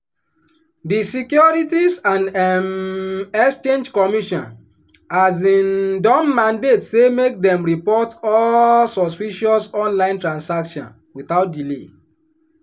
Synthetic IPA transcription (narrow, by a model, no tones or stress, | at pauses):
disikjɔɹitisãnɛmɛkst͡ʃẽnd͡ʒkɔmiʃɔ̰̃n | azĩndɔ̃mːãndetsemek̚dɛ̃mɹipɔtɔllsɔspiʃɔsɔ̃nlãɪ̃ntɹãnsakʃɔ̰̃n | wiθaʊt̚dile